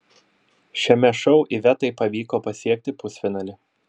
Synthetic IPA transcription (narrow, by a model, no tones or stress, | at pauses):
ʃʲɛmʲɛʃɔʊʔiʋʲɛt̪ɐɪpɐʋʲiːkoːpɐsʲiɛk̚t̪ʲɪpʊsʲfʲɪnɐlʲɪ